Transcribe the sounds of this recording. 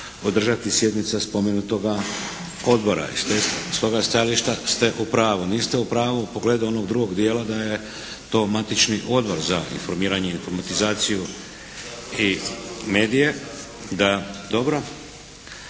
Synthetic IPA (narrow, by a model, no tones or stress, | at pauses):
od̪r̩ʒat̪isje̞d̪nit̪saspo̞me̞nut̪o̞ɡa | o̞d̪boɾa̰ḭst̪est̪o̞ɡast̪ajaliʃt̪ast̪e̞ʔupɾaːʋuniːst̪e̞upɾaːʋuupo̞ɡle̞ːd̪uo̞no̞ɡd̪ɾuɡo̞ɡd̪je̞ːlad̪aje̞ | t̪o̞mat̪it͡ʃniʔo̞d̪bo̞ɾzaḭnfo̞ɾmiːɾaɲeinfo̞ɾmat̪izaːt̪siju | ime̞ːd̪ije̞ | d̪ad̪o̞bɾo̞